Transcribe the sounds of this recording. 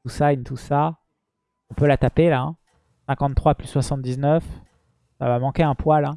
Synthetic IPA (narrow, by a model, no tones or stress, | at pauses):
usajnt̪usa | ɔ̃pølat̪apelaɛ̰̃ | sɛ̃kɑ̃t̪t̪ːχwaplysːwasɑ̃t̪̚d̪iznœf | sa̰vamɑ̃kʲeɛ̃pwalɛ̃